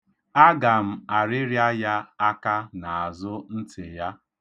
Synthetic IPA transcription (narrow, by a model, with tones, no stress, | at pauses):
a˦ɡa˨m̩˦˨a˨ɾɪ˦ɾja˦ja˦a˦ka˦na˨a˨zʊ˦n̩˦tɪ˨ja˦